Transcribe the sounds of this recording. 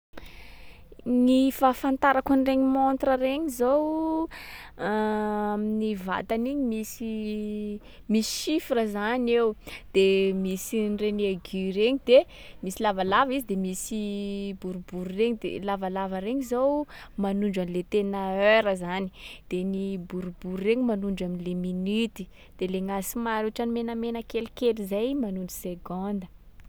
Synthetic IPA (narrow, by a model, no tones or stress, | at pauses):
nifafant̪aɾakunreɲimont̪rəɾeɲizow | aminiva̰t̪aniɲimisi | misi̥ʃifiɾəzanewd̪̥emisinreneɡiɾeɲid̪emisilavalavizid̪emisibuɾubuɾureɲid̪ḛlavalavəɾeɲizowmanuɳɖ͡ʐamlet̪enəøɾəzani̥d̪̥enibuɾubuɾureɲimanuɳɖ͡ʐaminleminit̪i̥ | d̪̥eleŋasimaɾoʈ͡ʂanimenəmenəkelkelizajmanuɳɖ͡ʐuseɡond̪ə